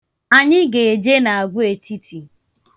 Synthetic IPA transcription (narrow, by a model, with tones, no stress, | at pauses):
a˨ɲɪ˦ɡe˨e˨d͡ʒe˦na˨a˨ɡʷʊ˦e˨ti˦tʰi˨